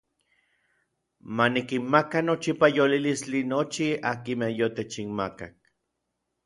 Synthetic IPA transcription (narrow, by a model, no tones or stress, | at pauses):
manikinmakanot͡ʃipajolilislinot͡ʃiakimehjot̪et͡ʃinmaka̰k̚